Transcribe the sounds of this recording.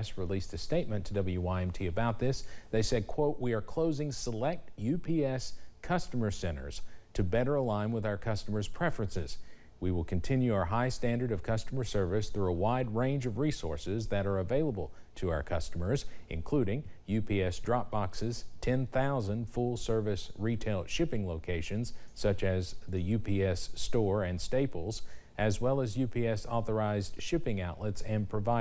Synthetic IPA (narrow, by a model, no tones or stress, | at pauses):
sɹilistɨsteɪt̚mɨ̃ntʰɨdʌbl̩ˠjʉwaɪɛ̃mtʰiɨbaʊt̪̚ðɪsðeɪsɛd̚kʰw̥oʊʔ̚wiə˞kʰl̥oʊzɪ̃ŋsəlɛk̚t̚jʉpʰiɛskʰʌstəmə˞sɛ̃ɾ̃ə̰˞z̥tʰɨbɛɾə˞əlãɪ̃nwəðaʊə˞kʰʌstəmə˞z̥pʰɹ̥ɛfɹɨ̃nsɪ̰z̥ | wiwəlˠkʰɨ̃n̩tʰɪ̃njʉaʊə˞ɦaɪstæ̃ndə˞ɾʌv̥kʰʌstəmə˞sɜ˞vɨsθɹuəwaɪd̚ɹẽɪ̃nd͡ʒʌvɹisɔ̰ɹsɪzðɨɾə˞ɨveɪlˠəbl̩ˠ | tʰɨaʊə˞kʰʌstəmə˞zʔɨ̰̃nkʰl̥uɾɪ̃ŋjʉpʰiɛsdɹɑp̚b̥ɑksɨz̥tʰɛ̃nθaʊzɨ̃nd̥fʊlˠsɜ˞vɨsɹitʰeɪlˠʃɪpɪ̃ŋloʊkʰeɪʃɨ̃nz̥sʌt͡ʃɨzðɨjʉpʰiɛstɔɹɨ̃nsteɪpl̩ˠz | ʔɨzwɛlˠəzjʉpʰiɛsɔθə˞aɪzd̥ʃɪpɪ̃ŋaʊʔˡlɛtsɨ̃npʰɹ̥ɨvaɪ